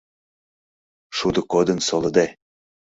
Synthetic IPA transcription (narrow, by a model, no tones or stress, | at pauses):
ʃud̪ɤ̆kod̪ɤ̆nsolɤ̆d̪e